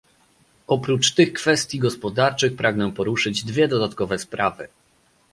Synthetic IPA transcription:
ʔɔpɾut͡ʂt̪ɘxkfɛst̪ʲjiɡɔspɔd̪aɾt͡ʂɘxpɾʔaɡnɛ̃pɔɾuʂɘd͡ʑd̪vʲjɛd̪ɔd̪at̪kɔvɛspɾavɘ̰

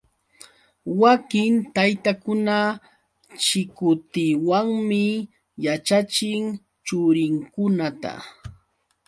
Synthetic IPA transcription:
wakɪnt̪ajt̪akʊna | t͡ʃɪkʊt̪ɪwaŋmɪ | jat͡ʃat͡ʃɪŋ | t͡ʃʊɾɪŋkʊnat̪a̰

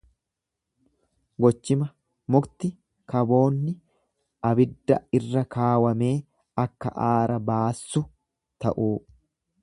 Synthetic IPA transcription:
ɡɔt͡ʃːɪmɐ | mʊkt̪ɪ | kɐbo̞ːnːɪ | ʔɐbɪd̪ːɐɪrːɐkaːwɐme̞ː | ɐkːɐ̰ʔaːɾɐbaːsːʊ | t̪ɐʔuː

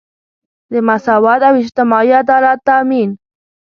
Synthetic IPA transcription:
d̪ɪmasawat̪awɪd͡ʒt̪ɪmɑiad̪ɑːlat̪ːamin

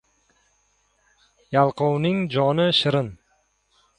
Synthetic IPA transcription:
jalˠqownɪŋd͡ʒɒnɪʃɪɾɪn

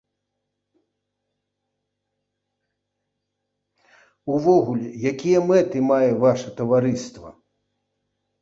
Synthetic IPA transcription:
uvɔɣulʲɛjakʲijɐmɛt̪ɨmajɛvaʂɐt̪ɐvaɾɨst̪vɐ̰

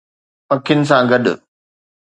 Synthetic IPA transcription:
pɐkʰjənɪ̆s̬ãɡɐɗʊ̰

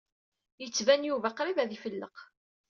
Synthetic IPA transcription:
jət͡sːvænjuvæqɾivæðifəlːəq

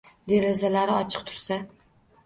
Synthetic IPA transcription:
d̪eɾɪzalaɾɪɒt͡ʃʰɨ̥q̚t̪ʰʊ̥ɾsa

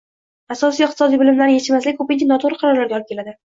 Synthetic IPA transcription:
asɒsijɪq̚t̪ɪ̥sɒd̪ijbɪlɪmlaɾnɪjet͡ʃʰɪmaslɪkʲkʰɵpɪnt͡ʃʲanɒt̪ʰoɾɨqʰɑɾɒɾlaɾɡʲaɒlˠɪpkʲʰelad̪ɪ

